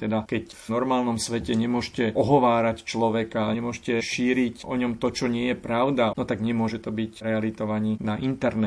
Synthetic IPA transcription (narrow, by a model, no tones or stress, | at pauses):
t̪ɛd̪akɛc | vnɔɾmaːlnɔmsʋɛcɛɲɛmʊɔʒcɛʔɔɦɔʋaːɾact͡ʃlɔʋɛkaɲɛmʊɔʒcɛʃiːɾicʔɔɲɔmt̪ɔt͡ʃɔɲɪɛjɛpɾaʊd̪anɔt̪aɡɲɛmʊɔʒɛt̪ɔbicɾɛalit̪ɔʋaɲinaʔint̪ɛɾnɛ